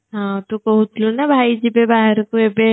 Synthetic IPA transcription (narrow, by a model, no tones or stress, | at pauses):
ɦãːt̪okɐɦʊt̪lonabʱaːid͡ʒibebaːɦəɾkoebe